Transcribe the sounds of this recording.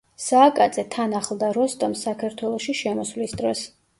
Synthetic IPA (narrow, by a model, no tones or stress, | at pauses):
saːkʼad̪zʼɛt̪ʰanaχlˠd̪aɾɔst̪ʼɔmsakʰaɾt̪ʰwɛlˠɔʃiʃɛmɔslisd̪ɾɔs